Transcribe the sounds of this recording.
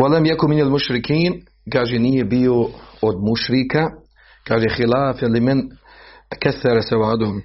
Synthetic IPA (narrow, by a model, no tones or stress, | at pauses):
walamjakʊnmɪnalmuʃɾɪkiːn | kaːʒeniːjebiood̪muʃɾɪka | kaːʒexɪlaːfelɪmɛn | kaθːaɾasawaːd̪ʊm